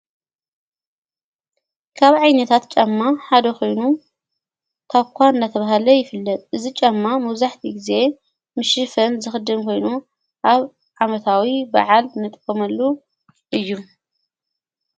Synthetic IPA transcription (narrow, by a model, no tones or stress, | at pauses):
kʰaβʕajnɐt̪ʰat̪t͡ʃʼamːaħad̪ɐkʰo̞jnu | t̪ʰaβkʷʰanɨnd̪at̪ʰɐβaɦalɐjɪfɨlːɐt̪ʼʔɨzit͡ʃʼamːamɐwzaħt̪ʰiɡɨze̞ | mɨʃɨfɐnzɨxɨd̪ɨmkʰo̞jnu | ʔaβ | ʕamɐt̪ʰawiba̰ʕalnɨt̪ʼkʼːɐmɐlːu | ʔɨjːu